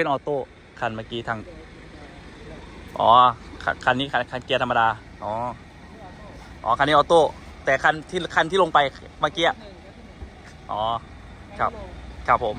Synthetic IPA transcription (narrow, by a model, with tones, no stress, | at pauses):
pʰe˧nʔɔː˧t̪oː˥˩ | kʰa˧˩nmaː˧˩kiː˧t̪ʰa˧ŋ | ʔɔ̰ː˨˦kʰa̰˧kʰa˧nːiː˦˥kʰa˧kʰa˧nki˧t̪ʰa˧ma˧daː˧ | ʔɔː˨˦ | ʔɔ̰ː˨˦ka˧nːiː˦˧ʔːt̪oː˥˩ | t̪ɛː˨˩kʰa˧˩nt̪ʰiː˥˩kʰa˧nt̪iː˥˨o˧ŋpa˧j | maː˧˩kiː˧ʔa˨˧˩ʔ | ʔɔː˨˩˦ | kʰa˦˥p̚kʰa˦˥˩p̚ʰːo˩˦m